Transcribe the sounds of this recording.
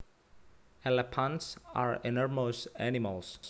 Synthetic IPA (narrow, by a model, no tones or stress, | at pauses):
ɛlɛpʰãntsa̰ɹɛnɔɹmosænɪmalˠs